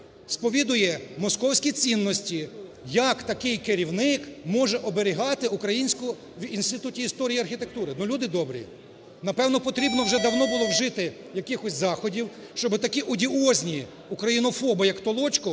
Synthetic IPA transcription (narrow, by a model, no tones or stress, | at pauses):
spɔʋʲid̪ʊjɛmɔskɔwsʲkʲit͡sʲinːɔsʲtʲijɐkt̪ɐkɪjkɪɾʲiwnɪkmɔʒɛʔɔbeɾʲɪɦɑt̪ɪukɾɐjinʲsʲkʊ | ʋinst̪ɪt̪utʲiːst̪ɔɾʲijiɐrxʲit̪e̞k̚t̪uɾɪnɔlʲud̪ɪd̪ɔbɾʲḭ | nɐpɛwnɔpɔt̪ɾʲibnɔwʒɛd̪ɐwnɔbʊlˠɔwʒɪt̪ɪ | jɐkɪxɔsʲzɑxɔdʲiw | ʃt͡ʃɔbɪt̪ɐkʲiʔʊdʲiɔzʲnʲi | ukɾɐjinɔfɔbɪjɐkt̪ɔlˠɔt͡ʃkɔ